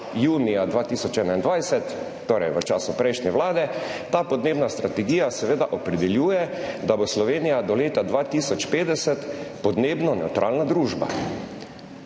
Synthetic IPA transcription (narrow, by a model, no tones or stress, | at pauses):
juːnijad̪ʋaːt̪iːsɔt͡ʃɛːnaind̪ʋajsɛt̪ː | oːɾɛjʋət͡ʃaːsupɾɛjʃnɛʋlaːd̪ɛt̪aːpɔd̪neːbnast̪ɾat̪ɛɡiːjasɛʋeːd̪aʔɔpɾɛd̪ɛljuːjɛd̪aboslɔʋeːnijad̪ɔleːt̪ad̪ʋaːt̪isɔt͡ʃpeːd̪ɛsɛt̪pɔd̪neːbnɔnɛwt̪ɾʔa̰ːlnad̪ɾuːʒba̰